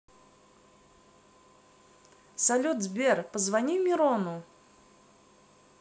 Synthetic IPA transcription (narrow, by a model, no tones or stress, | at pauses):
sɐlʲut̪zbʲerpəzvɐnʲimʲɪɾonʊ